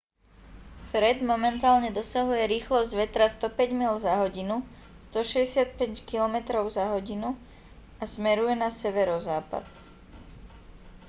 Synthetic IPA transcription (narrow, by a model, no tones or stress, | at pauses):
fɾɛd̪mɔmɛnt̪aːlɲɛd̪ɔsaɦujɛɾiːxlɔzɟʋɛt̪ɾast̪ɔpɛɟmiːlzaɦɔɟinu | st̪ɔʃɛɟɛsɪat̪̚pɛckilɔmɛt̪ɾɔʊzaɦɔɟinu | asmɛɾujɛnasɛʋɛɾɔzaːpa̰t̪